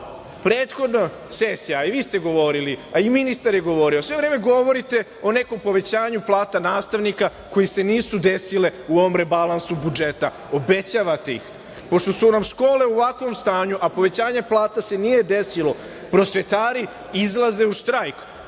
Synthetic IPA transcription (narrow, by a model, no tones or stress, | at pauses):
pɾeːt̪xo̞d̪no | sesijaiʋiːst̪eɡo̞ʋo̞ɾiliaiminist̪aɾjeɡo̞ʋo̞ɾiosʋe̞ʋɾeːme̞ɡo̞ʋo̞ɾit̪e̞ | o̞ne̞ko̞mpo̞ʋe̞t͡ɕaːɲuplˠaːt̪anaːst̪aʋnika | ko̞jese̞niːsud̪esile̞uoʋomɾe̞balansubud͡ʒe̞t̪a | o̞be̞t͡ɕaːʋat̪eḭx | po̞ʃt̪o̞sunamʃko̞ːle̞uʋakʋo̞mst̪aːɲuʔapo̞ʋe̞t͡ɕaːɲe̞plˠaːt̪ase̞nije̞d̪e̞silo̞ | pɾo̞sʋe̞t̪aːɾi | izlˠaze̞uʃt̪ɾajk